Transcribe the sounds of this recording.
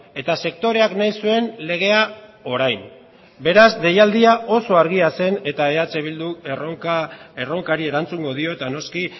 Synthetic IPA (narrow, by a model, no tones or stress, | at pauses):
e̞t̪ase̞kt̪o̞ɾe̞aknajsue̞nle̞ɣ̞e̞ao̞ɾajm | be̞ɾazd̪e̞jald̪iaʔo̞so̞aɾɣiase̞ne̞t̪ae̞at͡seβild̪uroae̞ro̞ŋkaɾie̞ɾant͡suŋɡo̞ð̞io̞et̪ano̞ski